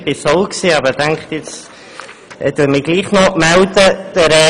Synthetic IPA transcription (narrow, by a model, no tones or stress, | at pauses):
b̥ɪsɔlksiːɑbədɛŋkχt̪jɪt͡s | ɛd̥uːɾmɪɡ̥liːχnɔmɛldəd̥ɛɾɛ